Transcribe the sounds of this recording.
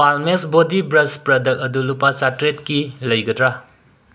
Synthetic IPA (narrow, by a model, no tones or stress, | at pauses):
palmesbodibɾɐspɾɐdɐk̚ɐdulupat͡ʃatɾet̚kilɐjɡɐtɾa